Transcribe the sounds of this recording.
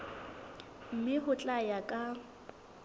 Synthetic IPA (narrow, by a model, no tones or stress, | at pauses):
m̩mɪhʊt͡ɬʼajakʼa